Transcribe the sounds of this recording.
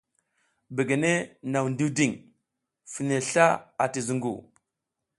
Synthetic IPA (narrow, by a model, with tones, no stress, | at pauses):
be˨ɡe˨ne˦na˨wndi˦wdi˦˨ŋ | fi˨ne˨ɬa˦a˨ti˨zu˦ŋɡṵ˨